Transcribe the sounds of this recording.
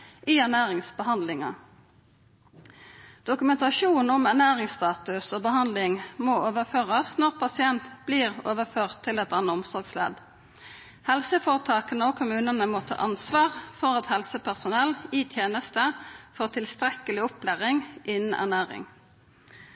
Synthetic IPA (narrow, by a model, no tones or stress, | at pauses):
ʔiːæʁnæːʁɪŋsbəhɑnd̪lɪŋɑ̰ | d̪̥ʊkʉmɛnt̪ɑʃuːnn̩ɔmæʁnæːʁɪŋst̪ɑːt̪ʉsoːbəɦɑnd̪lɪŋmoːoːʋəføːʁɑsnɔʁpʰɑsɪɛnt̪b̥liːʁo̰ːʋəføːʁt̪ʰːɪlɛt̪ɑnəʊmsɔɾɡslḛːd̪ | hɛlsəfoːʁət̪ʰɑːkənəoːkʰʊmʉːnənəmot̪ʰɑ̰ːʔɑnsʋɑːʁfɔʁɑt̪hɛlsəpʰæʁsʊnɛliːt̪ʰjeːnəst̪əfoːʁt̪ʰɪlst̪ʁɛkəlɪʊpʰlæːʁɪŋʔɪnn̩ʔæ̰ʁnæːʁɪ̰ŋ